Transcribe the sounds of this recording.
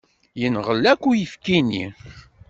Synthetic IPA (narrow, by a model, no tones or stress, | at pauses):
jənʁəlːækʷːujəfkinḭ